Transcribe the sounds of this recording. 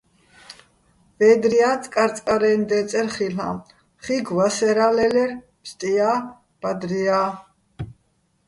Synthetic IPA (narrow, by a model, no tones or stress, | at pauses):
vɛːd̪ɾiat͡sʼkʼaɾt͡sʼkʼaɾɛnd̪ɛt͡s̪ʼɛɾχila̰m | χiɡvasɛɾalɛlɛɾ | pst̪ʼia | b̥ad̪ɾia